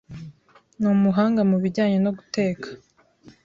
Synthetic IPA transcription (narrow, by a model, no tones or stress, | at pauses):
numuɦaːŋɡamuβiɾɟaːɲe̞no̞ɡu̥te̞ːkʰḁ